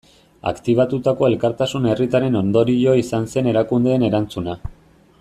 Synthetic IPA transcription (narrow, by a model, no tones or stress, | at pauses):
a̰kt̪iβ̞at̪ut̪ako̞e̞lkaɾt̪asune̞rit̪aɾe̞no̞nd̪o̞ɾio̞isanse̞ne̞ɾakund̪e̞ːne̞ɾant͡suna